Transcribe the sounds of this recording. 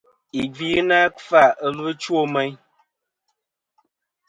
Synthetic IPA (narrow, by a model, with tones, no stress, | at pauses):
i˨vi˦na˦kfa˦˨ə˨lɨ˦t͡ʃwo˦˨mɛ˦ɲ